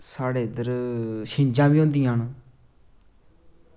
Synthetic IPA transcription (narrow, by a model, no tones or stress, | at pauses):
saːɽeːd̪əɾʃɪ̃ɲd͡ʒãːbiːõːnd̪ĩːãːn